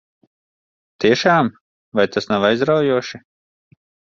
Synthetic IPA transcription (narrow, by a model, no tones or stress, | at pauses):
t̪iɛʃaːm | vajt̪asnawajzɾawjuɔʃi